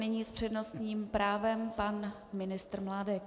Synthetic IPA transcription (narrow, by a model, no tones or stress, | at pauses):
nɪɲiːspr̥ɛdno̞st̪ɲiːmpɾaːvɛmpan | mɪnɪst̪ɾmlaːdɛk